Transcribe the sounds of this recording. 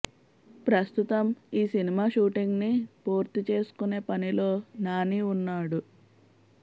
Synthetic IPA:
pɾɐst̪ut̪ɐmiːsinimaːʃuːʈiŋɡnipuːɾt̪it͡ʃe̞ːsu̥kune̞ːpɐnilo̞ːnaːniunːaːɽu

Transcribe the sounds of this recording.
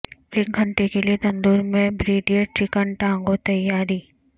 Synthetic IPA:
flɪk̚ɡʱɐ̃ɳʈekeliet̪ɐ̃nd̪uːɾmẽbɾeːɖijəʈɾɪkəɳʈãːŋɡot̪ɐjːaːɾiː

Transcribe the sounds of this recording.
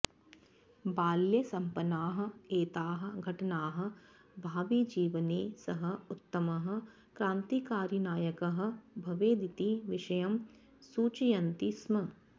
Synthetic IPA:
baːljɐsɐmpɐnaːɦɐ̆eːt̪aːɦɐ̆ɡʱɐʈɐnaːɦɐ̆ | bʱaːʋid͡ʒiːʋɐneːsɐɦɐ̆ut̪ːɐmɐɦɐ̆ | kɾaːnt̪ikaːɾjɐnaːjɐkɐɦɐ̆bʱɐʋeːd̪it̪iʋiʃɐjɐm | suːt͡ʃijɐnt̪ismɐ

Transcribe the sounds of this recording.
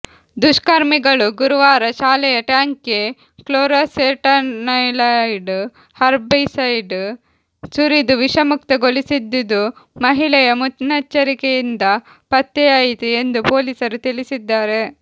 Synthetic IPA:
d̪uʃkaɾmiɡɐɭuɡuɾuʋaːɾɐʃaːlɛjɐʈaːŋke | kloːɾaseːʈɐnɐjlɐjɖ | hɐɾbɐsɐjɖ | suɾid̪uʋiʃɐmuk̚t̪ɐɡolisid̪ːid̪umɐɦiɭɐjɐmut̪nɐt͡ʃːɐɾikejind̪ɐ | pɐt̪ːɛjaːjit̪eend̪upo̞ːlisɐɾut̪iɭisid̪ːaːɾe̞

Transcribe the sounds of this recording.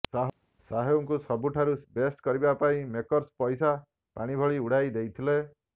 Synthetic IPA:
saɦ | saɦoŋkusɔbuʈʰaɾubesʈkɔɾibapaĩmekɔɾspɔjsa | paɽ̃ibʱɔɭiuɽ̤ajd̪ejt̪ʰile

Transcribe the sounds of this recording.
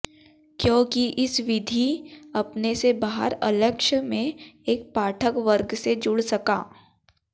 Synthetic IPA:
kjõːkiʔɪsʋɪd̪ʱiɐpnesebaːɦə̰ɾɐ̰ləkʃəmẽeːk̚paːʈʰəkʋəɾɡsed͡ʒʊɽsɐkaː

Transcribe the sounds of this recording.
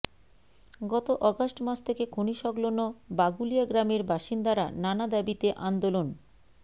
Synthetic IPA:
ɡɔt̪oʔɔɡasʈmat͡ɕʰt̪ʰekekʰoniʃɔɡlonobaɡuliaɡɾameɾbaʃind̪aɾa̰nanad̪abit̪eʔand̪olon

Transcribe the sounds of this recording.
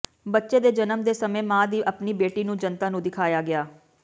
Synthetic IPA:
bətːʃeːd̪eːd͡ʒənəmd̪eːsəmẽːmãːd̪iːʔəpniːbeːʈiːnũːd͡ʒənt̪ãːnũːd̪ɪkʰaːjaːɡɪaː

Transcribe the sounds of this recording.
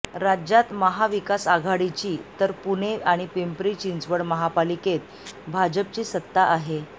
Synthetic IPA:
ɾad͡ʑjat̪məɦaʋikasaɡʱaɽit͡ɕiːt̪əɾpuneaɽ̃ipempɾit͡ɕind͡zʋəɽməɦapaliket̪̚ | bʱad͡ʑəp̚t͡ɕiːsət̪ːaʔaɦe

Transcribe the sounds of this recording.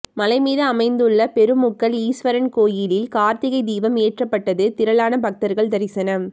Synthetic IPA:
mɐlɐɪmiːðɯɐmɐɪnd̪ɯɭːɐpɛɾɯmʊkːɐliːsʋɐɾɐnkoːjɪlɪlkaːɾt̪ɪɣɐɪd̪iːʋɐmeːʈrɐpːɐʈːɐðɯt̪ɪɾɐɭaːnɐbɐk̚t̪ɐɾɣɐɭd̪ɐɾɪsɐnɐm

